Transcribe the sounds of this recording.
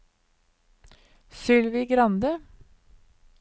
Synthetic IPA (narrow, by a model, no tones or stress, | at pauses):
sʏlʋiːɡɾɑnd̪ə